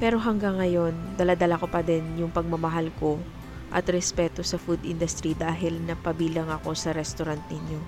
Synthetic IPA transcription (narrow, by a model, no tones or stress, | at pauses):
pɛːɾo̞ɦɐŋɡaŋːɐjo̞nd̪ɐlad̪ɐlako̞pɐd̪ɛnjʊŋpɐɡ̚mɐmɐɦalko̞ | ʔɐ̰t̪ɾɛspɛːt̪o̞sɐfud̪ʔɪnd̪ʊst̪ɾid̪aːɦɪlnɐpɐbiːlɐŋɐko̞sɐɾɛst̪oɾant̪̚nɪɲjo̞